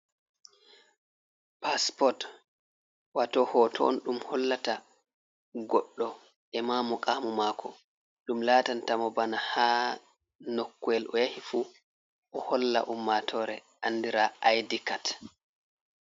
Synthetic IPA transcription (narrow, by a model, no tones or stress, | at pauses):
paspɔt | watɔhɔːtʰɔ̰nɗumhɔlːata | ɡɔɗːɔ | ɛmaːmɔkʼamumaːkʰɔ | ɗumlaːtantamɔbanahaː | nokːuɛlʔɔ̰jahifuː | ʔɔhɔlːa̰ʔumːatʰɔɾɛ | ʔandiɾaʔajdikat